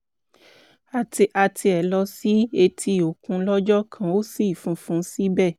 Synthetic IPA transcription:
a˨ti˧ʔa˧tʰi˧ɛ˨lɔ˧si˦e˧tʰi˧˨o˨kũ˧˦lɔ˦d͡ʒɔ˦kʰã˧o˦si˦˨fũ˧˦fũ˧˦si˦bɛ˦˨

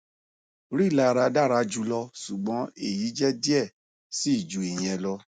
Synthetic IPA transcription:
ɾi˦˨la˦˨˧ɾa˧da˦˨ɾa˧d͡ʒu˧˦lɔ˧su˨ɡ͡bɔ̃˨˦e˦˨ji˨˦d͡ʒɛ˦di˦ɛ˦˨ | si˦i˦˨d͡ʒu˨˦e˨j̃ɛ̃˧lɔ˧

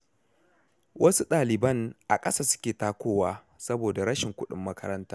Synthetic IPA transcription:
wʔɐ˦su˦ɗaː˨lɪ˨bɐ˦˨ŋʔa̰˨kʼɐ˦saː˦˨sʊ̥˦kʲeː˨taː˦kʷoː˦waː˦ | sɐ˦boː˨da˨ɽɐ˦ʃɪ˨ŋkʷʊ˦ɗɪ˨mːɐ˦kɐ˦ɾɐ˦ntaː˦

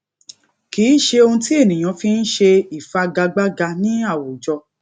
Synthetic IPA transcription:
kiː˨˦ʃe˧o˧ũ˧ti˦e˦˨nĩ˨j̃ã˧fi˧˦n̩˦ʃe˧i˨fa˧ɡa˧ɡ͡ba˦ɡa˧nĩ˦a˦˨wo˨d͡ʒɔ˧

